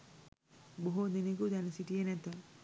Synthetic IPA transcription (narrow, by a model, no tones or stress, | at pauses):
boɦod̪iniɡud̪ɛnəsiʈijenɛt̪ə